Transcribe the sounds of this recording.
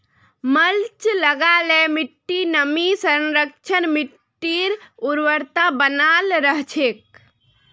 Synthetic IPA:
məlt͡ʃləɡalemiʈːinəmisənɾək̚t͡ʃʰənmiʈʈːiɾuɾʋəɾt̪abənalɾəɦt͡ʃʰek̚

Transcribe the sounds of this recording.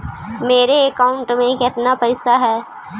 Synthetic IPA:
meːɾeɐkaːʊ̃ɳʈmẽkɪt̪napɐɪsaɦɛː

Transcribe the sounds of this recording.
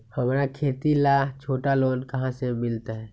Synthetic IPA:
hɐmɾakʰeːt̪ilat͡ʃʰoːʈaloːnkɐɦãsemɪlt̪aɦɛː

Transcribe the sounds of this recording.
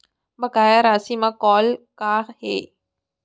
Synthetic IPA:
bɐɡaːjaɾaːsimãkɔːlkaheː

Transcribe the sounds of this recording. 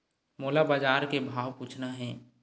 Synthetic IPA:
moːlabaːd͡ʒaːɾkebʱaːʋpuːt͡ʃʰnaɦɛ̃ː

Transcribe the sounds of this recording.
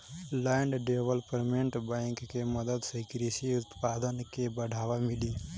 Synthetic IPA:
lɛɳɖɖeʋəlpəɾmeɳʈbãjŋkːeməd̪əd̪səɪkɾisiʊt̪paːd̪ənkebəɽʱaːʋamɪli

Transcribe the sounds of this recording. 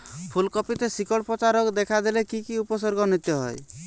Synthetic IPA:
pʰulkɔpit̪esikɔɽpɾɔt͡ʃaɾɔkd̪ekʰad̪elekikiupɔsɔɾɡɔnit̪jɔɦɔ̰j

